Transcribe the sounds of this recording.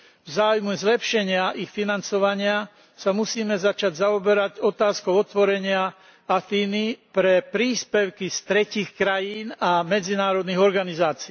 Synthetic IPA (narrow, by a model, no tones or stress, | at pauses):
vzaːujmuzlɛpʃɛɲɪaʔixfinant͡sɔʋaɲɪa | samusiːmɛzat͡ʃaɟzaɔbɛɾaɟɔt̪aːskɔʊɔt̪ʋɔɾɛɲɪa | afiːnipɾɛpɾiːspɛʊkist̪ɾɛciːxkɾajiːnamɛd͡zinaːɾɔd̪niɣɔɾɡanizaːt͡si